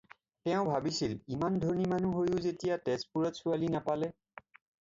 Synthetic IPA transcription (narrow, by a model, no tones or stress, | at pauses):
tɛʊ̃bʱabisilimandʱoɹnimanuɦojʊzetijatɛspuɹɔtsualinapalɛ